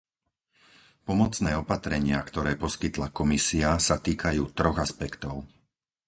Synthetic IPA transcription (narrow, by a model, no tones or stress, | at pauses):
pɔmɔt͡snɛːɔpat̪ɾɛɲɪakt̪ɔɾɛːpɔskit̪lakɔmisiasat̪iːkajuːt̪ɾɔɣaspɛkt̪ɔʊ